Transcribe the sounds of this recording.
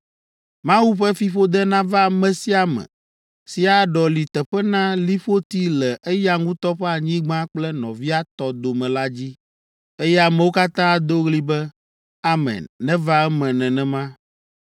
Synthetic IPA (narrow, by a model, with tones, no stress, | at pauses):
mã˦wu˦ɸɛ˦fi˨ɸo˦d̪ɛ˦nã˦va˦˨mɛ̃˨si˦a˨mɛ̰̃˨ | si˨a˨ɖɔ˨li˨t̪ɛ˨ɸɛ˦nã˦li˦ɸo˦t̪i˦lɛ˨ʔe˦ja˦ŋũ˦t̪ɔ˦ɸɛ˦a˨ɲĩ˦ɡ͡bã˦k͡plɛ˦nɔ̰̃˨vi˦a˦t̪ɔ˦d̪o˨mɛ̃˨la˦d͡ʑi˦ | e˦jɛ˦a˨mɛ˨wo˦ka˦t̪ã˦a˨d̪o˦ɣli˦bɛ˦ | a˦mɛ̰̃˨nːɛ̃˦va˦ɛ˦mɛ̃˨nɛ̃˨nɛ̃˨mã˦